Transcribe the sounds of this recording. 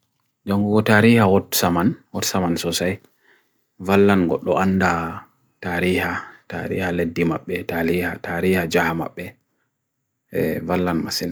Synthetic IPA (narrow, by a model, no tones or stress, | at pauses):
d͡ʒaŋɡuɡɔtaɾihawɔtsamanwɔtsamansɔsaj | valːanɡɔɗːɔʔanːda | taɾiːhata̰ɾḭːhaledːimaɓːɛtaɾiːha̰taɾihad͡ʒahama̰ɓːɛ | ɛvalːanmasin